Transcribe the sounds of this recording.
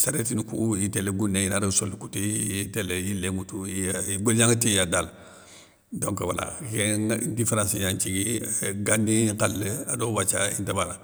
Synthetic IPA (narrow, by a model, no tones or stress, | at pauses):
saɾetinikujiteleɡunːeinaɾəsolːkutiitɛlejilːemutuiɡoljãŋɡatijadal | dõŋkwala̰kedifeɾãnsiɲãɲt͡ʃiɡiɡandĩkalːəadobat͡ʃaḭntabala